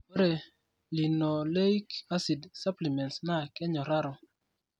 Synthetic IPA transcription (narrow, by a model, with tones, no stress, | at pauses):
ɾɛ˨ | li˨nɔ˨le˦jka˦si˨dsa˦pli˨mɛ˨ntsna˦˨kɛ˦ɲɔ˨ɾa˦ɾɔ˨